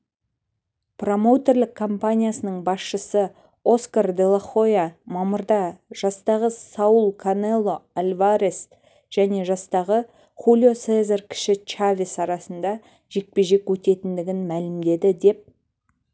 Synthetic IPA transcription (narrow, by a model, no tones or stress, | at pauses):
pro̞mo̞wt̪e̞rlɪkʰːompanʲijasənəɴbɑsʃəsə | o̞skard̪e̞lˠaχo̞jamɑməɾd̪ɑʒ̥ɑst̪ɑʁəsɑwəlˠkʰonelˠːo̞alʲvaɾes | ʒ̥æne̞ʒɑst̪ɑʁə | χulʲio̞sezerkʲʰɪ̥ʃɪt͡ʃavʲisɑɾɑsənd̪ɑ | ʒ̥e̞k̚pe̞ʒe̞kwɵt̪e̞t̪ɪnd̪ɪɡʲɪnmælɪmd̪e̞d̪ɪd̪e̞p̚